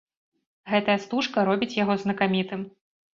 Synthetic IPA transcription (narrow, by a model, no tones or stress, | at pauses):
ɣɛt̪ɐjɐst̪uʂkɐɾɔbʲit͡sʲjaɣɔznɐkamʲit̪ɨm